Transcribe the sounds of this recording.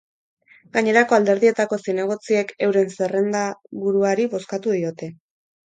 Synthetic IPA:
ɡaɲe̞ɾako̞ald̪e̞ɾðie̞t̪ako̞sine̞ɣ̞o̞t͡sie̞ke̞wɾe̞nsere̞nd̪aβuɾuaɾiβo̞skat̪uðio̞t̪e̞

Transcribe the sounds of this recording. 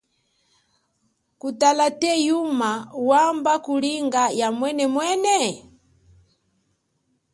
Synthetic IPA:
kutalatɛjumawambakuliŋɡajamwɛnɛmwɛnɛ

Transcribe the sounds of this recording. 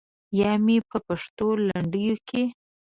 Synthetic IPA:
jɑmepəpaʂt̪olaɳɖəjokʰe

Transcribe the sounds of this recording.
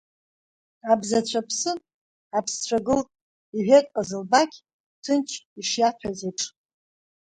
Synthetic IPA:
abzat͡ɕʷʰapʰsɨn | apʰst͡ɕʷʰaɡɨltʼ | iħʷᶣetʼqʼazɨlbakʲʰ | tʰɨnt͡ʃʰiʂjatʰazeʈ͡ʂʼ

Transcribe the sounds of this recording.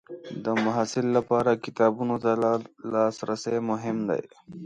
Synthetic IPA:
d̪əmaɦasɪlːapɑːɾakɪt̪ɑːbunot̪alɑsɾasajmʊɦɪmd̪a̰j

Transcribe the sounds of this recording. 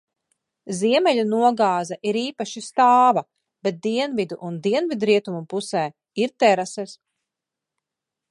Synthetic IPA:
ziɛmɛʎʲunuɔɡaːzaʔiɾiːpaʃist̪aːva | b̥et̪̚d̪iɛnvid̪uʔund̪iɛnvid̪ɾiɛt̪umupusɛː | iɾt̪ɛɾasɛs

